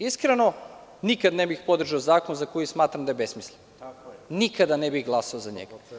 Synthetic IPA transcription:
iskɾeno̞nikad̪nebixpo̞d̪r̩ʒaozaːkonzakojismaːt̪ɾamd̪ajebesmislen | nikad̪anebixɡlˠasaozaɲḛɡa

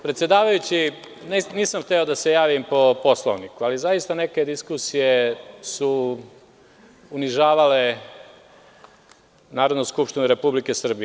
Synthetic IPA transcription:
pɾet̪sjed̪aːʋajut͡ɕi | nniːsamxt̪eo̞d̪ase̞jaːʋimpo̞po̞slˠo̰ʋnikualizajist̪ane̞ke̞d̪iskusije̞su | uniʒaːʋale | naːɾo̞d̪noskupʃt̪inuɾe̞publikesr̩bije

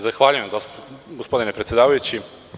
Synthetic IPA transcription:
zaxʋaːʎujemɡosɡospod̪ine̞pɾt̪sjed̪aːʋajut͡ɕi

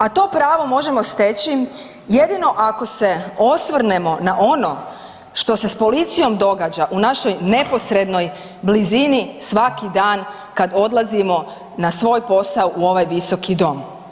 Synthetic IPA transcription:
at̪o̞ːpɾaːʋo̞mo̞ʒe̞mo̞st̪et͡ɕi | jed̪ino̞ʔako̞se̞o̞sʋr̩ne̞mo̞naʔo̞no̞ | ʃt̪o̞se̞spo̞lit̪sijo̞md̪o̞ɡaːd͡ʑaʔunaʃo̞jne̞po̞sɾe̞d̪no̞j | blizinisʋakid̪aːn | kad̪o̞d̪lˠazimo̞ | nasʋo̞jpo̞sauʔuo̞ʋajʋiso̞kid̪o̞m

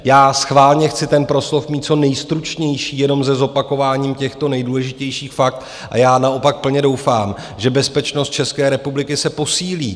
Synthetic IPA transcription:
jaːsxvaːlɲɛxt͡sɪt̪ɛnpɾo̞slo̞fmiːt̪̚t͡so̞nɛjst̪ɾut͡ʃɲɛjʃiːjɛno̞mzɛzo̞pako̞vaːɲiːmcɛxt̪o̞nɛjduːlɛʒɪcɛjʃiːxfak̚t̪ | ʔa̰jaːnaʔo̞pak̚pl̩ɲɛdo̞wfaːm | ʒɛbɛspɛt͡ʃnost̪̚t͡ʃɛskɛːɾɛpublɪkɪsɛpo̞siːliː

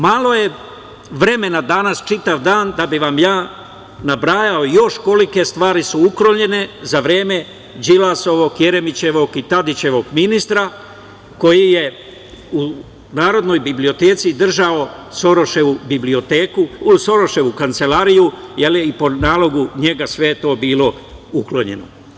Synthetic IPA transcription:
malˠo̞je̞ | ʋɾe̞me̞nad̪anast͡ʃit̪aʋd̪aːnd̪abiʋamjaː | nabɾaːjaojo̞ʃko̞like̞st̪ʋaːɾisuukɾoɲʎe̞ne̞zaʋɾeːme̞ | d͡ʒilaso̞ʋo̞kje̞ɾe̞mit͡ɕe̞ʋo̞kit̪ad̪it͡ɕe̞ʋo̞ɡminist̪ɾa | ko̞jije̞ | u | naːɾo̞d̪no̞jbiblio̞t̪e̞ːt̪sid̪r̩ʒaosoɾoʃeubiblio̞t̪eːkuso̞ɾo̞ʃe̞ʋukant̪se̞laːɾijuje̞liipo̞naːlˠo̞ɡuɲe̞ɡasʋe̞jet̪o̞ːbiːlˠo̞uklˠoɲe̞̰no̰

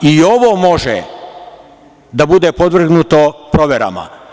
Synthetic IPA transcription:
io̞ʋomo̞ʒḛ | d̪abud̪epod̪ʋr̩ɡnut̪opɾo̞ʋjeɾa̰ma̰

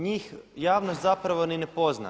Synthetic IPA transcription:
ɲiːxjaːʋnos̬t̪zapɾaʋo̞ninepo̞zna̰

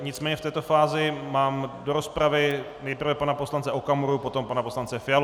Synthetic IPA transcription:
ɲɪt͡smɛːɲɛft̪ɛːt̪o̞faːzɪmaːmdo̞ɾo̞spɾavɪ | nɛjpr̩vɛpanaposlant͡sɛʔokamuɾupo̞t̪o̞mpanapo̞slant͡sɛfɪjal

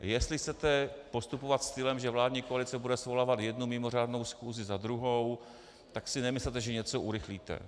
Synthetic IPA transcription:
jɛst̪lɪxt͡sɛt̪ɛpo̞st̪upo̞vat̪st̪ɪlɛmʒɛvlaːdɲiːkoalɪt͡sɛbudɛsvolaːvat̪jɛdnumɪmo̞r̝aːdno̞wsxuːzɪzad̪ɾuɦo̞w | t̪aksɪnɛmɪslɛt̪ɛʒɛɲɛt͡soʔuɾɪxliːt̪ɛ̰

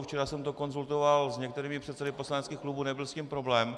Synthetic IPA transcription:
ft͡ʃɛɾasɛmt̪o̞ko̞nzult̪o̞valzɲɛk̚t̪ɛɾiːmɪpr̝̥ɛt̪sɛdɪposlanɛtt͡skiːxklubunɛbɪlscimpɾo̞blɛːm

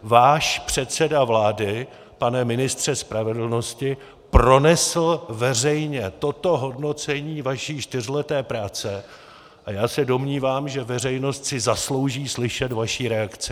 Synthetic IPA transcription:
vaːʃpr̝̥ɛt̪st͡sɛdavlaːdɪ | panɛmɪnɪst̪r̝̥ɛspɾavɛdl̩no̞scɪ | pɾo̞nɛsl̩vɛrɛjɲɛt̪o̞t̪o̞ɦo̞dno̞t͡sɛɲiːvaʃiːt͡ʃt̪ɪr̝ɪlɛt̪ɛːpɾaːt͡sɛ | ʔajaːsɛdo̞mɲiːvaːmʒɛvɛr̝ɛjno̞st̪sɪzaslo̞wʒiːslɪʃɛt̪vaʃiːɾɛakt͡sɪ

